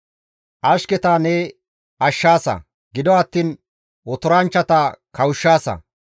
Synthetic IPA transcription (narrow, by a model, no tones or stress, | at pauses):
ʔɐʃkɛt̪aːnɛ | ɐʃːaːsɐ̰ | ɡɪd̪ɔɐt̪ːiːn | wɔt̪ʊɾɐnt͡ʃːɐt̪akɐwʊʃːaːsɐ̰